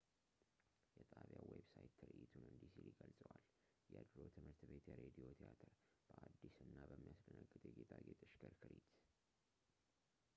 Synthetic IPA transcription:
jɛt̪ʼʰaβjawebsajt̪ʰːɨɾɨʔit̪ʰunɨnd̪isiliɡəlsʼəwal | jɛəd̪ɾo̞t̪ʰɨmɨɾt̪be̞t̪jɛɾed̪io̞t̪ʰiat̪ʰɨɾ | b̥əʔad̪ːisɨnːabəmːijasd̪ənəɡːɨt̪ʼjɛɡet̪ʰaɡet̪ʼɨʃkəɾkʰɨɾit̪

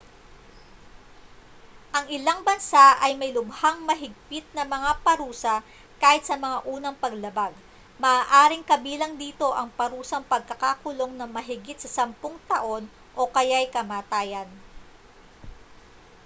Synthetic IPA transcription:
ʔɐŋɪlaŋbɐnsaʔɐjmɐjlʊbhaŋmɐɦɪɡ̚pɪt̪̚nɐmɐŋapɐɾuːsɐ | kaːhɪt̪̚sɐmɐŋaʔuːnɐŋpɐɡlɐbaɡ | mɐʔaːʔaːɾɪŋkɐbiːlɐŋd̪iːt̪o̞ʔɐŋpɐɾuːsɐŋpɐɡ̚kɐkaːkʊlo̞ŋnɐŋmɐɦɪɡɪt̪̚sɐsɐmpoŋt̪ɐʔo̞n | ʔo̞kɐjajkɐmaːt̪aːjɐn

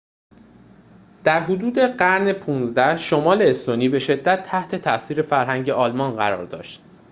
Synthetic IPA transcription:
d̪̥æɾɦod̪uːd̪e̞ɢæɾnepʰuːnzd̪æhʃomɒːleːst̪oniːbe̞ʃe̞d̪ːæt̪ʰːæht̪ʰe̞t̪ʰæʔsiːɾe̞fæɾɦæŋɟe̞ʔɒːlmɒnɢæɾɒ̰ːɾd̪ɒ̰ːʃt̪̚

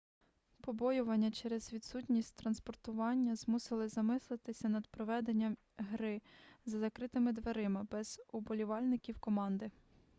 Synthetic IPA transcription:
pɔbɔjʊʋɐnʲːɐt͡ʃɛɾɛzʋʲid̪sutʲnʲisʲtʲt̪ɾɐnspɔrt̪ʊʋɑnʲːɐzmusɪlˠɪzɐmɪslˠɪt̪ɪsʲɐnɐd̪pɾɔʋɛd̪enʲːɐm | ɦɾɪzɐzɐkɾɪt̪ɪmɪd̪ʋeɾɪmɪbɛz̥ʊbɔlʲiʋɑlʲnɪkʲiwkɔmɑnd̪ɪ

